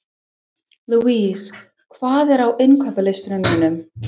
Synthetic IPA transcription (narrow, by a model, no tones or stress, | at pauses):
luiːs | kʰv̥aːðɛɾawʔɪnkʰwɛpalɪst̪ɪnʏmhɪnʏm